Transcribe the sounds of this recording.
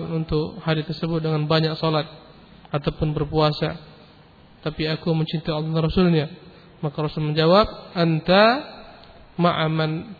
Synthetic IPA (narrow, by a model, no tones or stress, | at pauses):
nunt̪ʊkhaɾit̪ərsəbʊt̪̚dəŋanbaɲak̚sɔlat̪̚ | at̪awpʊnbərpuasa̰ | t̪apiakuməɲt͡ʃint̪aɑlːhdanrɔsʊlɲa | makaɾɔsʊlməɲd͡ʒawap̚ʔənt̪a | maʔaman